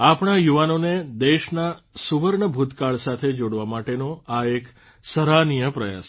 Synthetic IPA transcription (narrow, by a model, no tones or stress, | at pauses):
apɳajuʋanoned̪eʃna | suʋəɾɳəbʱut̪kaɭsat̪ʰed͡ʒoɽʋamaʈenoaek | səɾanijəpɾəja̰s